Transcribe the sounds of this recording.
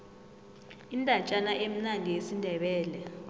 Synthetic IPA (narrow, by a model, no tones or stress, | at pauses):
indʼʱat͡ʃʼanaʔem̩naŋijesindʱɛɓɛːlɛ